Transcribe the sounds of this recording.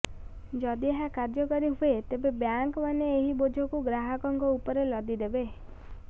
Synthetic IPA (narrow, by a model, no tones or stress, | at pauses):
d͡ʒɔd̪ieɦakaɾd͡ʒɔkɔɾiɦuet̪ebebjaŋkɔmaneːɦibod͡ʒʱɔkuɡɾaɦɔkɔŋkɔupɔɾelɔd̪id̪ebe